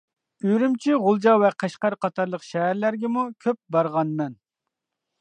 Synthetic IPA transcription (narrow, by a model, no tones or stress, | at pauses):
yɾymt͡ʃʰiʁʊlˠd͡ʒɑwɛqʰæʃqæɾqɑt̪ʰɑɾlˠəqʃɛɦæɾlæɾɡʲɛmukʲʰøp̚bɑɾʁɑnmɛn